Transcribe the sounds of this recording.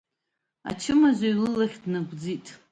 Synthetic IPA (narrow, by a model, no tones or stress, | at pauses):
a̰t͡ʃʰɪmazʷajlɨlaχʲdnaɡʷd͡zitʼ